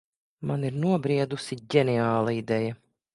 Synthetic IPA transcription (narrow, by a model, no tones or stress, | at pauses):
maniɾnuɔbɾiɛd̪usiɟɛnɛaːlˠaid̪ɛja